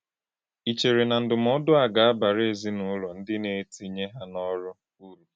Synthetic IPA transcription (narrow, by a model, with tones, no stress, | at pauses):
i˨t͡ʃe˨ɾe˨na˨n̩˨dʊ˨m̩˦ɔ˦dʊ˦a˨ɡa˨a˦ba˨ɾe˨zi˦nʊ˦ʊ˦lɔ˨n̩˦dɪ˦ne˨˦ti˦ɲe˦ɦa˦nɔ˦ɾʊ˦ | u˦ɾu˨